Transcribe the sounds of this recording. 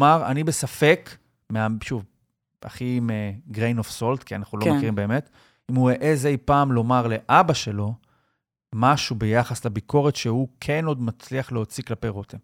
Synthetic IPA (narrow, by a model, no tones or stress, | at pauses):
maʁa̰nibe̞safe̞k | meaʃuv | a̰χimeɡʁejnofso̞lt̪kianaχnulomekiʁimbe̞ːmet | imueʔezejpaːmlo̞maʁle̞ʔabaʃe̞lo̞ | maʃube̞jaχaslabikʰo̞ʁetʃe̞hukʰeno̞d̪mat͡sliaχleot͡siklapejʁot̪em